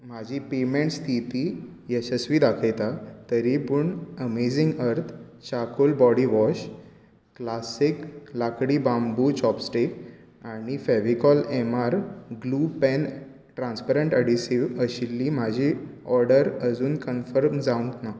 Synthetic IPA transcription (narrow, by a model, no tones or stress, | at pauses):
m̤ad͡ʑʱipemeɳʈst̪ʰit̪iː | jəɕəsʋiːd̪akʰəjt̪at̪əɾipuɳəmed͡ziŋɡəɾt̪ʰ | t͡ɕakolbɔɽiʋɔɕ | klasiklakɽiːbambut͡ɕɔpsʈek | aɽ̃ifɛʋikɔlɛmaɾɡlupɛn | ʈɾãnspaɾəɳʈəɽisiʋəɕilːim̤ad͡ʑʱiɔɾɖəɾəd͡zuːnkənfəɾmd͡zaũɳkna